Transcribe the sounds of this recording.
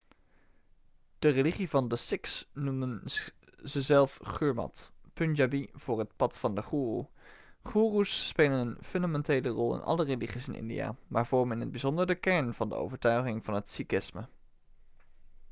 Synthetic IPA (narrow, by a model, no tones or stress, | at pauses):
d̥əreliχivɑndəsɪksnumən | zəzɛlˠfχyːɹmɑ̰tpɵnd͡ʒabiv̥ʊːɹɦətpɑtfɑndəχuːrṵχuːrusːpeːlənənfɵndamɛntejlərɔlˠɪ̰nɑ̰ləreliχisɪnʔɪ̰ndḭja̰ːma̰ːɹvɔɹməɪnəd̚bizɔndərəkɛɹnvɑndə̰o̰wvəɹtœɥχɪŋvɑnɦətsikɪsmə